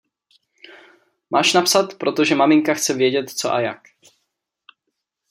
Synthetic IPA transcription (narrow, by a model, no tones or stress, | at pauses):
mʔaːʃnapsat̪pɾʔo̞t̪o̞ʒɛmamɪŋkaxt͡sɛvjɛɟɛt̪t͡so̰ʔa̰jak